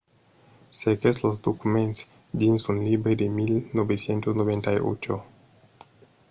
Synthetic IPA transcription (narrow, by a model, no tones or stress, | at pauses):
sekeslozd̪okument̪s | d̪insunlibɾed̪emilnobesjent̪osnoβent̪ajo̰t͡ʃo̰